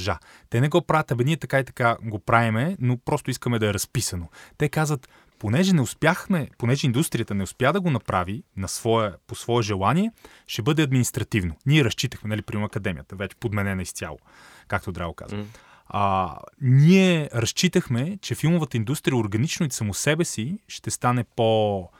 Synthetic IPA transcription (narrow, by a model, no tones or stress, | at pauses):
ʒa̰ | t̪ɛnɛɡɔpɾavət̪ɐbɛniɛt̪ɐkait̪ɐ̥kaɡopɾavimɛnopɾɔst̪ʊiskəmɛd̪ɐɛɾɐspisɐnot̪ɛkazvət̪ | ponɛʒɛnɛʊspjaxmɛponɛʒɛind̪ust̪ɾijət̪ənɛʊspjad̪ɐɡonɐpɾavinɐsvɔəposvɔɛʒɛlˠaniɛ | ʃɛbɤd̪ɛɐd̪minist̪ɾɐt̪ivnoniɛɾɐst͡ʃit̪əxmɛnɐlipɾimɐkɐd̪ɛmijət̪əvɛt͡ʃɛ̥pod̪mɛnɛnɐist̪ʲja̰lˠo̰ | kak̚t̪od̪ɾa̰voka̰zə̰ | niɛɾɐst͡ʃit̪əxmɛt͡ʃɛfilˠmovət̪əind̪ust̪ɾijəoɾɡɐnit͡ʃnoisɐmosɛbɛsiʃt̪ɛst̪anɛpo